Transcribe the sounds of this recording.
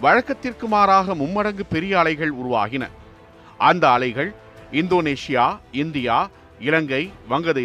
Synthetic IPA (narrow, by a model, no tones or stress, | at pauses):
ʋɐɻɐkːɐt̪ːɪrkɯmaːɾaːɣɐmʊmːɐɽɐŋɡɯpɛɾɪjɐːɭɐɪɣɐɭʊɾʊʋa̰ːɣɪnɐ̰ | ʔɐnd̪ɐːɭɐɪɣɐɭ | ɪnd̪oːneːʂɪjaːɪnd̪ɪjaː | ɪlɐŋɡɐɪʋɐŋɡɐðɐɪ